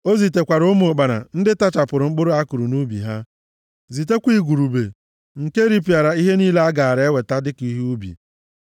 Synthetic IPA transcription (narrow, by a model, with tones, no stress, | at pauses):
o˦zi˨t̬e˨kʷa˨ɾʊ˦mo˨k͡pa˨na̰˨n̩˦dɪ˦ta˦t͡ʃa˨pʊ˨ɾʊ˨ŋ͡m̩˦k͡pʊ˦ɾʊ˦a˦kʊ˨ɾu˨nu˦bḭ˨ɦa˦ | zi˨t̬e˦kʷi˦ɡʷu˨ɾu˨bḛ˨ | ŋ̩˨ke˦ɾi˦pi˨a˨ɾa˨i˦ɦe˦niː˦le˦a˦ɡa˨a˨ɾe˦we˨ta˦dɪ˦ki˦ɦu˦bḭ˨